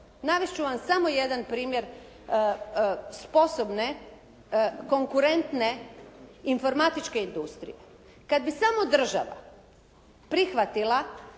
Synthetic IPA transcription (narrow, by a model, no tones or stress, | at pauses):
naʋest͡ʃuʋamsamo̞je̞d̪anpɾiːmje̞ɾ | spo̞sobne̞ | ko̞ŋkuɾe̞nt̪ne̞ | info̞ɾmat̪it͡ʃke̞ind̪ust̪ɾḭje | kad̪̚bisamo̞d̪r̩ʒa̰ʋa̰ | pɾixʋat̪ilˠa